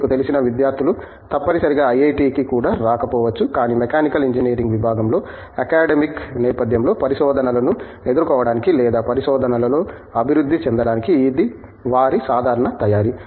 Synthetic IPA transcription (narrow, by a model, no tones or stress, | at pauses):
kut̪elisinɐʋid̪jaːɾt̪ʰulu | t̪ɐpːɐɽisɐɾiɡaːɐjɐjʈiːkikuːɽaːɾaːkɐpɔːʋɐt͡ʃːukaːniːmekaːnikɐliɲd͡ʒineːɾiŋɡʋibʱaːɡɐmlo̞ː | ɐkaːɖemiknɛːpɐd̪ʱjɐmlo̞ːpɐɾiʃɔːd̪ʱɐnɐlɐnu | e̞d̪uɾkɔːʋɐɽaːnikilɛːd̪aːpɐɾiʃɔːd̪ʱɐnɐlɐlo̞ː | ɐbʱiɾud̪ʱːit͡ʃɛnd̪ɐɽaːnikiːd̪i | ʋaːɾisaːd̪ʱaːɾɐɳɐt̪ɐjaːɾi